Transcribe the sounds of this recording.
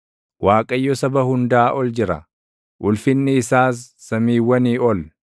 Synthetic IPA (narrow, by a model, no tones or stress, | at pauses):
waːkʼɐjːɔsɐbɐhʊnd̪aːʔɔld͡ʒɪɾɐ̰ | ʔʊlfɪnːɪːsaːs̬ːɐmiːwːɐniːɔl